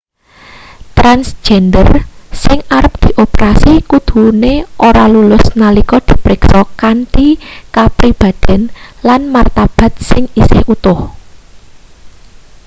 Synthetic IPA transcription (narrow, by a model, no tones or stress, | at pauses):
t̪ɾansd͡ʒ̥ɛndərsɪŋaɾəp̚d̪̥i̤ʔopeɾasikud̪̥ṳneʔoɾalulʊsnalikɔd̪̥i̤pɾɪksɔkant̪ikapɾib̥a̤d̪̥ɛ̤nlanmart̪ab̥a̤t̪̚sɪŋisɪ̰hut̪ʊh